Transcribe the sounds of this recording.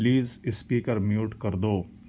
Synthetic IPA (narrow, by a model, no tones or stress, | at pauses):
liːzɪspiːkəɾmjuːʈkɐɾd̪oː